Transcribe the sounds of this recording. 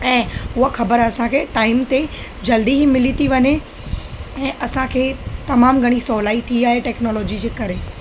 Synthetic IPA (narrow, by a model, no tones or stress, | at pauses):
ɛ̃ːʊɦaxɐbəɾɐsãkʰeːʈaːɪmt̪ed͡ʑɐld̪iɦimɪlit̪ʰiʋɐɲe | ɛ̃ːʔɐsãkʰeːt̪ɐmaːmɡʱɐɽ̃isɔːlaːit̪ʰiaːɦeʈɛːknɔːlɔːd͡ʑid͡ʑeːkɐɾeː